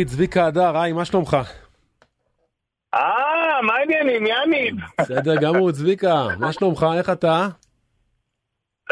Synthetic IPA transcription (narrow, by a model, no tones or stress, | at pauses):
it͡svikaːd̪aʁajmaʃlomχa | amainjanimjaninsed̪eʁɡamut͡svikamaʃlomχae̞χat̪a